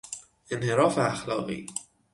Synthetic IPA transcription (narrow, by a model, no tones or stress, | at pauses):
ʔe̞nhe̞ɾɒːfeaxlɒːɣḭː